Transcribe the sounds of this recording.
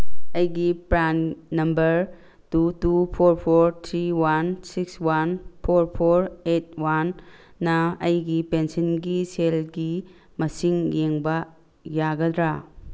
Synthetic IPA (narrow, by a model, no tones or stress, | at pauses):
ɐjɡipɾanːɐmbɐɾ | tutupʰoɾpʰoɾt̪ʰɾiwansikswanpʰoɾpʰoɾet̚wanː | ɐɐjɡipensɐnɡiselɡi | mɐsiŋjeŋbɐ | jaɡɐd̪ɾa